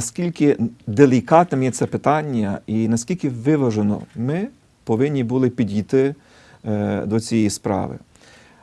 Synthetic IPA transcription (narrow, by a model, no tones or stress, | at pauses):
ɐskʲilʲkɪd̪elʲikɑt̪nɛmjɛt̪sɛpɪt̪ɑnʲːɐinɐsʲkʲilʲkɪʋɪʋɐʒenɔ̰mɪ | pɔʋɪnʲːibulˠɪpʲid̪ʲijt̪ɪ | d̪ɔt͡sʲijɛjispɾɑ̰ʋɪ̰